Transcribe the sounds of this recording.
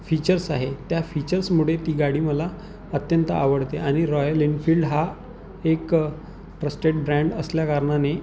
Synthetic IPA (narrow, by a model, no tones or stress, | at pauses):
fit͡ɕəɾsaɦet̪jafit͡ɕəɾsmuɽet̪iːɡaɽiːməla | ət̪jənt̪əaʋəɽt̪eʔaɽ̃iɾɔjəlinfiːlɖɦa | ek | ʈɾəsʈeʈ̚bɾæ̃ɳɖəsljakəɾɳane